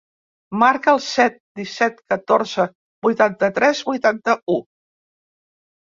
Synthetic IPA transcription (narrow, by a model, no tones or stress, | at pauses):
maɾkəːlˠsɛt̪̚d̪isɛt̪kət̪oɾzə | bujt̪ant̪ət̪ɾɛzbujt̪ant̪əu